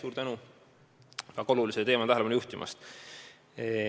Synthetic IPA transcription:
suːɾt̪ænu | kɑko̞luliselt̪e̞ːmɑt̪æɦelepɑnujuht̪imɑ̰st̪

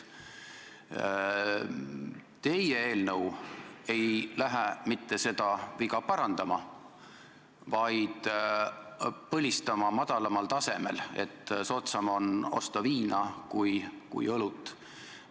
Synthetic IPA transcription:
t̪e̞jee̞ːlnɤwe̞jlæɦæmit̪ːe̞se̞d̪̥ɑvikɑpɑɾɑnd̪̥ɑmɑ | vɑjd̪̥ | pɤlʲist̪ɑmɑmɑd̪̥ɑlɑmɑlt̪ɑse̞me̞̰le̞̰t̪ːso̞ːt̪sɑmo̞no̞̰st̪ɑviːnɑkujkṵjɤlut̪ˑː

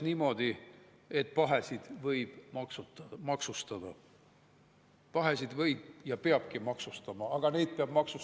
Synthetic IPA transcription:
niːmo̞d̪̥i | et̪̚pɑɦe̞sid̪̥vɤjb̥mɑksumɑksust̪ɑd̪̥ɑ | pɑɦe̞sid̪vɤjb̥jɑpeɑb̥kimɑksust̪ɑmɑɑɡ̥ɑne̞jd̪̥̚peɑb̥mɑksu

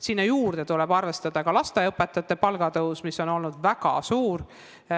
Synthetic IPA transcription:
sinːɑjuːrd̪̥e̞t̪ulɛb̥ɑrve̞st̪ɑd̪̥ɑkɑlɑst̪eɤpːet̪ːˑɑt̪ːˑe̞pɑlɡɑt̪ɤusmisːo̞no̞lnud̪væɡ̥ɑ̰suːr

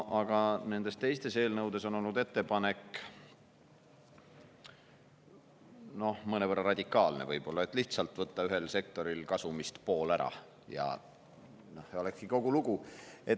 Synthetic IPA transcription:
ʔɑɡ̥ɑne̞nd̪̥e̞st̪e̞jst̪e̞se̞ːlnɤwd̪̥e̞so̞no̞lnud̪̥e̞t̪ːe̞pɑne̞k | no̞hmɤnevərːɑrɑd̪̥ʲikːˑɑːlne̞̰vɤjb̥o̞lːɑet̪ːˑliht̪sɑlt̪ˑvɤt̪ːɑyɦe̞lse̞k̚t̪o̞ɾilkɑsumist̪po̞ːlæɾɑ̰ | jɑ̰ | noheo̞lekskiko̞ɡ̥uluɡ̥ue

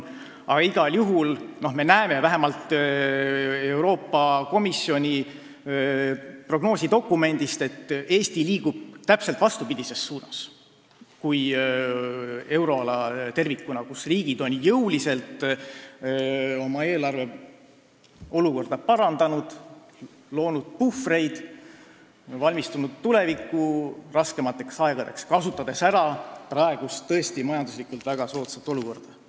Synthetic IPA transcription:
ɑ̰ɡ̥ɑiɡ̥ɑljuɦulno̞hme̞næemevæɦemɑlt̪ | e̞wɾo̞ːpːɑko̞misio̞nʲi | pro̞ɡ̥no̞ːsʲid̪o̞kːˑume̞nʲd̪̥ist̪e̞t̪ːe̞ːst̪iliːɡ̥ub̥̚t̪æpselt̪vɑst̪upid̪̥ʲise̞sːuːnɑs | kuj | e̞wɾo̞ɑlɑt̪e̞rvikːunɑkusriːɡ̥id̪̥o̞njɤwlise̞lt̪ˑ | o̞mɑe̞ːlɑrve̞ | o̞luko̞rd̪̥ɑpɑɾɑnd̪ɑnud̪̥ | lo̞ːnud̪̥̚pufre̞jd̪̥ | vɑlʲmist̪unud̪̥t̪ule̞vikːˑurɑske̞mɑt̪ːˑe̞ksɑe̞ɡ̥ɑd̪̥e̞kskɑsut̪ːˑɑd̪̥e̞sæɾɑprɑe̞ɡ̥ust̪ːɤ̞e̞st̪imɑjɑnd̪uslikˑult̪væɡ̥ɑso̞ːt̪sɑt̪ːˑo̞luko̞rd̪̥ɑ

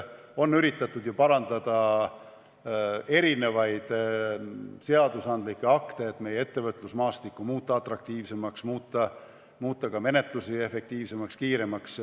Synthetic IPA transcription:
o̞nːyɾit̪ːˑɑt̪ːud̪̥jupɑɾɑnd̪̥ɑd̪̥ɑ | e̞ɾine̞vɑjd̪̥ | se̞ɑd̪usɑnd̪likːˑe̞ɑkt̪e̞ːt̪ːˑme̞jee̞t̪ːe̞vɤt̪ːˑlusmɑːst̪ikːˑumuːt̪ːˑɑɑt̪ˑrɑk̚t̪iːvse̞mɑksmuːt̪ːˑɑ | muːt̪ˑːɑkɑme̞ne̞t̪ˑlusie̞fe̞k̚t̪iːvse̞mɑkskiːɾe̞mɑks

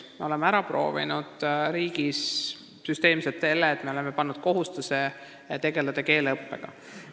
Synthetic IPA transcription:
me̞o̞le̞meæɾɑpro̞̰ːvḭnud̪̥ɾiːɡ̥is | syst̪e̞ːmselt̪se̞lːeːt̪ːˑme̞o̞lemepɑnːud̪̥ko̞ɦust̪use | t̪e̞ɡe̞lɑd̪̥eke̞ːlɤpːe̞̰ɡ̥ɑ̰

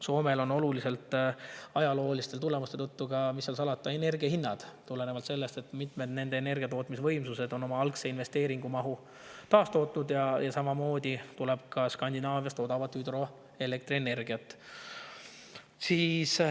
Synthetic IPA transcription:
so̞ːme̞lo̞no̞lulise̞lt̪ːˑɑjɑlo̞ːlist̪e̞lt̪ule̞must̪et̪ɤt̪ːuɡɑmisːɑlsɑlɑt̪ːˑɑe̞ne̞rɡiɑhinːɑd̪̥t̪ule̞nevɑlt̪se̞lːe̞st̪e̞t̪ːmit̪me̞d̪ne̞nd̪̥e̞ːne̞rɡ̥ijɑt̪o̞ːt̪ːˑmisvɤ̞jmsuse̞d̪̥o̞no̞mɑɑlkse̞inve̞st̪e̞ːɾiŋɡ̥umɑɦu | t̪ɑːst̪o̞ːt̪nud̪jɑjɑsɑmɑmo̞ːd̪it̪uleb̥̚kɑskɑnʲd̪inɑːvjɑst̪o̞d̪̥ɑvɑt̪ːˑyd̪ro̞ | e̞le̞kt̪ɾriene̞rɡ̥iɑt̪ːˑ | siːs

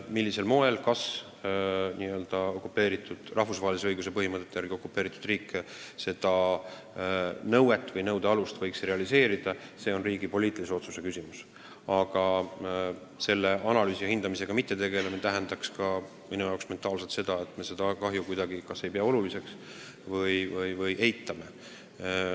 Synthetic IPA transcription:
milʲːise̞lmo̞e̞lkɑs | niːø̞ld̪̥ɑo̞kːˑupːe̞ːɾit̪ːˑud̪̥rʔɑɦfusvɑɦelʲiseɤjɡus̬e̞pɤɦimɤt̪ːˑet̪ːejæɾɡ̥io̞kːˑupːˑeːɾit̪ːˑud̪̥riːkːse̞d̪ɑ | nɤwe̞t̪ːˑvɤjnɤwd̪eɑlust̪vɤ̞jksre̞ɑlise̞ːɾid̪̥ɑse̞ːo̞nriːɡ̥ipo̞lʲiːt̪ːˑilise̞o̞t̪suse̞kysʲimus | ɑɡ̥ɑ | se̞lːe̞ʔɑnɑlyːsiɑhind̪̥ɑmise̞ɡ̥ɑmit̪ːe̞t̪e̞ɡe̞lemet̪æɦend̪ɑkskɑ | minujɑwksme̞nt̪ˑɑːlselt̪se̞d̪̥ɑe̞t̪ːˑme̞se̞d̪̥ɑkɑɦjukujd̪̥ɑɡ̥ikɑse̞jpeɑo̞lulise̞ks | vɤjvɤjvɤjʔe̞jt̪ːˑɑme̞

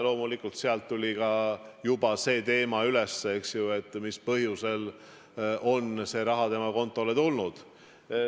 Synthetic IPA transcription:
lo̞ːmulikːˑult̪seɑlt̪ːulʲikɑjub̥ɑse̞ːt̪e̞ːmɑyle̞sːeeksjue̞t̪ːˑmispɤɦjuse̞l | ʔo̞nse̞ːɾɑɦɑt̪e̞mɑko̞nt̪ːˑo̞let̪ulnud̪̥

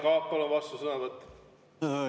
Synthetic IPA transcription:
kɑːpːolovɑst̪usɤnɑvət̪ː

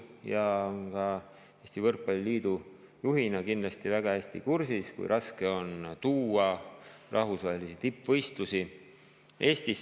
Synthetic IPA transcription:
jɑonkɑ | eːsʲt̪ivɤrkːɑlʲliːd̪̥u | juɦinɑkind̪lɑst̪ivæɡ̥ɑhæsʲt̪ḭkursiskṵjɾʔɑske̞o̞nt̪uːɑrʔɑhvusvɑːhelisit̪ipːvɤ̞jst̪lusi | ʔe̞ːst̪is

